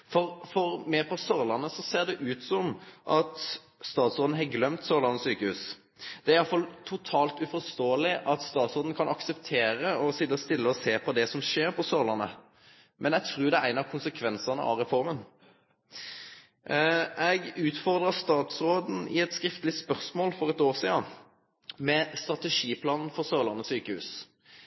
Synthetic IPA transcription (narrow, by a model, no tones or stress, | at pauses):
fɔʁfɔʁmɛpʰɔsɔʁlɑnəsɔseːʁd̪ɛʔʉːt̪sɔmʔɑt̪ | st̪ɑːt̪sʁoːd̪n̩ɦɑɡlœmt̪sɔʁləʁnɔsyːkəhʉ̰ːs | d̪̥ɛæɾjɑlfɑlt̪ʰʊt̪ʰɑːlt̪ʉfɔʁst̪oːəlɪʔɑt̪st̪ɑːt̪sʁoːd̪n̩kʰɑnʔɑksɛpt̪ʰeːɾəɔsɪd̪ːəɔst̪ɪlːəɔseːpʰɔd̪ɛsɔmʃeːɾpʰɔsɔʁlɑnə̰ | mʔɛnɛɡt̪ʰʁʉːd̪ɛæɪnɑkʰʊnsəkʰʋɛnsɑnə̰ʔɑ̰ʁɛfɔʁmən | ɛɡʉːt̪fɔʁd̪ʁəst̪ɑːt̪sʁoːd̪n̩ɪɛt̪skɾɪft̪əlɪspœʁsmoːlfɔʁɛt̪oːʁsiːɑ | mɛst̪ʁɑt̪ɛʂiːpʰlɑːnn̩fɔʁsøːʁlɑʁnɔsyːkəhʉ̰ːs